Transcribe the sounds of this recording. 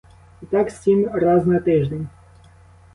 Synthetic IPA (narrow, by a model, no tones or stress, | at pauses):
it̪aksʲimʲɾaznɐt̪ɪʐd̪ʲenʲ